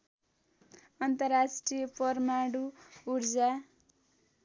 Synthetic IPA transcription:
ʌnt̪ʌrːasʈrijʌpʌrmaɽuuɾd͡za

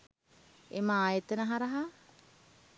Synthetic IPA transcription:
eməaːjət̪ənəɦaɾɐɦa

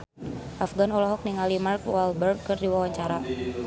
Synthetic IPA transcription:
ʔafɡanɔlɔɦɔk̚niŋalimarkwalbərɡ̚kːɨrdiwawaɲt͡ʃaɾa

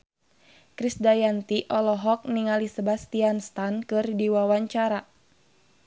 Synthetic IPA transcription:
kɾisdajant̪iʔɔlɔɦɔk̚niŋalisəbast̪ianst̪ankɨrdiwawaɲt͡ʃaɾa

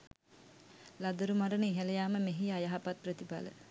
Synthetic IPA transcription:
lad̪ɐɾumaɾəniːɦeləjaːməmeɦiajaɦapat̪̚prət̪ipa̰lə̰

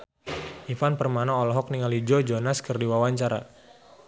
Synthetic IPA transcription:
ʔifanpərmanaɔlɔɦɔk̚niŋalid͡ʒɔd͡ʒɔnaskərdiwawaɲt͡ʃaɾa̰

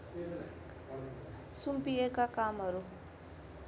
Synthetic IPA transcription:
sumpiekakamɦʌɾu

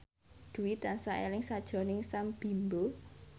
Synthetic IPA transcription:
d̪̥uwit̪ansaʔḛlɪŋsad̥ʒ̥ɔ̤nɪŋsamb̥i̤mbo

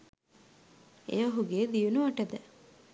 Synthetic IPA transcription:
ḛʋaɦuɡeːd̪ijunuʋɐʈəd̪ə

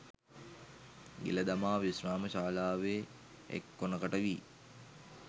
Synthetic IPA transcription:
ɡḭləd̪amaːʋisnaːməʃaːlaːʋeː | ḛkːonəkaʈəʋiː

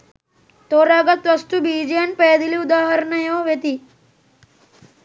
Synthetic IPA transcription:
t̪oːɾaɡɐt̪ʋɐst̪ubiːd͡ʒijɐnpeːd̪iliud̪aːɦɐɾnɐjoːʋjet̪i

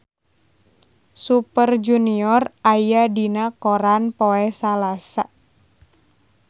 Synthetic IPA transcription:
supərd͡ʒuniɔrajadinakɔɾanpɔɛsalasa

